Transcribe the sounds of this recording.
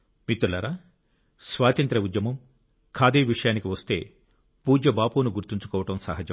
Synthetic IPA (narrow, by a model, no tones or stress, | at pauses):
mit̪ːulɐɾa | sʋaːt̪ɐnt̪ɾɐud̪jɐmɐm | kʰaːd̪iːʋiʂɐjaːnikiʋɐst̪e̞̰ː | puːd͡ʒɐbaːpuːnuɡuɾt̪iɲt͡ʃu̥kɔːʋɐʈɐmsaɦɐd͡ʒɐm